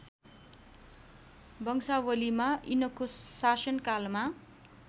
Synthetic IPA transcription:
bʌŋsawʌlimaʔinʌkosasʌnkalma

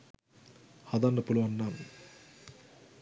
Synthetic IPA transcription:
hɐd̪ɐnːɐpuluʋɐnːam

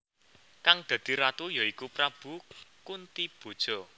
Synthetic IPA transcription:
kaŋd̪̥ä̤d̪̥i̤ɾat̪ujɔikupɾab̥ṳkunt̪ib̥o̤d̥ʒ̥ɔ̤

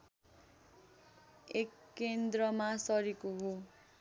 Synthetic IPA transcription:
ekːend̪rʌmasʌɾikoɦo

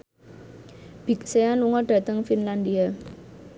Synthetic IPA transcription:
b̥i̤k̚seanluŋɔɖ̥a̤t̪əŋfinlandia

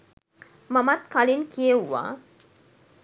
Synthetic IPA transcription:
mamat̪kalinkʰijewːa̰ː

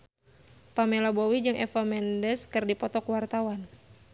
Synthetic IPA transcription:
pamelabowid͡ʒɨŋʔɛfamɛndɛskɨrdipɔt̪ɔkwart̪awan

